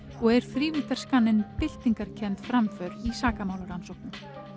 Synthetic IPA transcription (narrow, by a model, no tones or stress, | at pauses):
ɔɣɛɾ̥θɾiːvɪt̪ar̥skanːɪnpɪl̥t̪iŋkaɾ̥cʰɛnt̪fɾamfœɾisaːkamaːwlaɾansɔwhknʏm